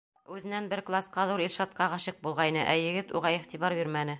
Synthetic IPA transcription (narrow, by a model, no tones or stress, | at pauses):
ʉðɘ̆nænbɘɾklˠasqɑðuɾilʲʃɑt̪̚qɑʁɑɕɤq̚bulˠʁɑjnɤʔæjɘ̆ɡɘt̪ṵʁɑiχt̪iβɑɾbiɾmænɘ